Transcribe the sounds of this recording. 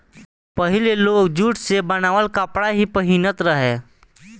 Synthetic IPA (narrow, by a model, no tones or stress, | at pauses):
pəɦɪleloːkd͡ʒuːʈsebənaːʋəlkəpɽaɦipəɦinət̪ɾəɦe